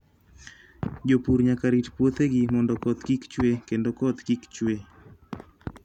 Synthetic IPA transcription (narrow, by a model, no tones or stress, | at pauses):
d͡ʒopuɾɲakaɾitpwot̪eɡɪmɔndɔkɔt̪kikt͡ʃwekendokɔt̪kikt͡ʃwe